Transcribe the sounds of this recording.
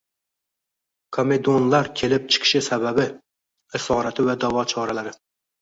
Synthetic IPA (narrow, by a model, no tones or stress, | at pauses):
kʰome̞d̪onlaɾkʲʰe̞lɪp̚t͡ʃʰɪ̥qʰɨ̥ʃɪsababɪ | ɪsɒːɾat̪ʰɪvad̪avɒt͡ʃʰɒɾalaɾɪ